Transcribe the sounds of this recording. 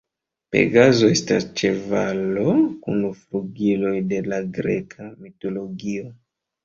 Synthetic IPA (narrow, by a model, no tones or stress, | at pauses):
pḛɡazo̞e̞stast͡ʃe̞valo̞kunufluɡilo̞jde̞laɡɾḛkʰamito̞lo̞ɡio